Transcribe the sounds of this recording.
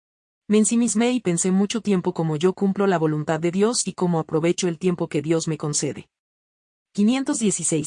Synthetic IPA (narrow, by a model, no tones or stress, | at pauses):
me̞ːnsimizme̞ipe̞nse̞mut͡ʃo̞t̪je̞mpo̞ko̞mo̞ʝo̞kumplo̞laβo̞lunt̪aðːe̞ðjo̞siko̞mo̞apɾo̞βe̞t͡ʃo̞elt̪je̞mpo̞ke̞ðjo̞zme̞ko̞nse̞ðe̞̰ | kinje̞nt̪o̞zðje̞sisej